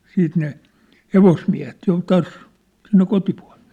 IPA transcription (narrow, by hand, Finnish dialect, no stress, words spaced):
siːt ne heʋosmiæ̝het jo tɑːs sinːe kotipu̥ɑ̝l̥e̥ː